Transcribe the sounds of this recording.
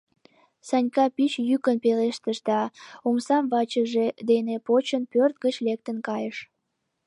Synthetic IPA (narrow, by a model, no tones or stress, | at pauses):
sɑnʲkɑpit͡ɕjykənpeleʃt̪əʃd̪ɑumsɑmvɑt͡ɕəʒed̪enepot͡ɕənpørt̪̚ɡət͡ɕlek̚t̪ənkɑjəʃ